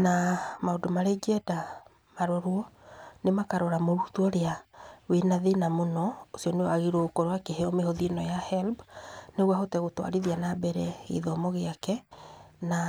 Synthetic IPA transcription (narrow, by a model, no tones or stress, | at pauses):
namaodomaɾeɡɛda | maɾoɾwɔnemakaɾɔɾamoɾutuɔɾeawenaðenamonɔosjɔnewaɣiɾokoɾwakeɦeɔmehoðinɔjahɛlbneɣwahotɛɣotwa̰ɾiðianabɛɾɛḛðɔmɔɣeakɛna